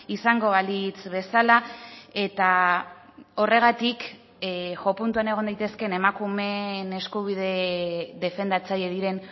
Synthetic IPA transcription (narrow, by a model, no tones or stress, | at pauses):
isaŋɡo̞βalit͡sβe̞salae̞t̪a | o̞re̞ɣ̞at̪ik | ʝo̞punt̪uane̞ɣ̞o̞nd̪ajt̪e̞ske̞ne̞makume̞ne̞skuβ̞ið̞e̞ðe̞fe̞nd̪at͡saje̞ðiɾe̞n